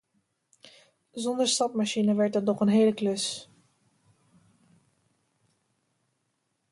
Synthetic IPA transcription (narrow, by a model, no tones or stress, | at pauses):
zɔndəɹstɑpmaʃinəʋɛɹt̚dɔtnɔχənɦeːləkløs